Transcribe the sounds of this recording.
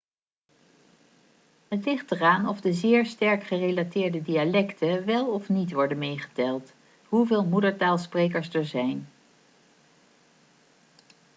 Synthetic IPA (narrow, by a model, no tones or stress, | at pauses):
ɦətlɪχtəraːnɔvdəzɪːɹstɛɹkχərejlatɪːɹdədialɛktʰəʋɛlˠɔfnitʋɔɹdənmejχə̥dɛlˠt | ɦuvɪːlˠmudəɹtaːlˠsprejkəɹsdəɹzɛjn